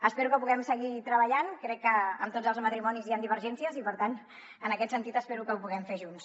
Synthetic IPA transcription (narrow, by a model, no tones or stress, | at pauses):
əspɛɾukəpuɣɛmsəɣit̪ɾəβəʎankɾɛkːəəmt̪od͡zzəlˠzmət̪ɾimɔniziand̪iβ̞əɾʒɛnsiəzipəɾt̪an | ənəkɛt̪sənt̪it̪əspeɾukəupuɣɛmfeʒuns